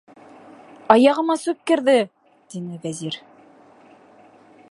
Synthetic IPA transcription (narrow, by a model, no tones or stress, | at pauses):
ɑjɑʁɤ̆mɑsʉp̚kɘ̆ɾðɘ | t̪inɘvæziɾ